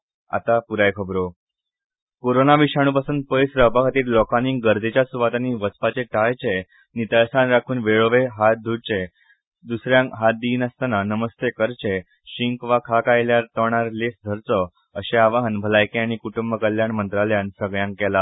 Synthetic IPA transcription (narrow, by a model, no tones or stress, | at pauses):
a̰t̪apuɾajkʰəbɾo | koɾonaʋiɕaɽ̃uːpasuːnd̪̚pəjsɾəpakʰat̪iːɾlɔkaniːŋɡəɾd̪ʱet͡ɕjasuʋat̪aniʋət͡spat͡ɕeʈajt͡ɕe | nit̪aɭsanɾakʰuːnʋeɭoʋeɦat̪̚d̪ʱuɽt͡ɕe | d̪usɾjãŋkɦat̪̚d̪iːnəst̪ananəməst̪ekəɾt͡ɕe | ɕiŋkʋakʰakajljaɾt̪əɳaɾlesd̪ʱəɾt͡sɔ | əɕeaʋaɦənbʱəlajkeaɽ̃ikuʈumbəkəljaɳmənt̪ɾaljansəɡɭjãŋkkːɛla